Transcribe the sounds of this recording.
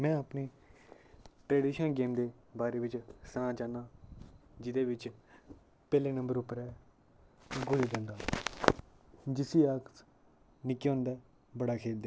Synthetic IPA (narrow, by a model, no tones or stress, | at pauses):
mɛ̃ːəpneː | ʈɾeːɖiːʃənɡeːmd̪eːbaːɾeːʋɪt͡ʃsãːt͡ʃaːnãː | d͡ʒɪd̪eːʋɪt͡ʃ | pɛːleːnə̃mbəɾʊpːəɾɛː | ɡʊlid̪ẽːnd̪aː | d͡ʒɪsiːaːk | nɪkːeːɦʊ̃nd̪ɛː | bəɽaːkʰeːld̪eː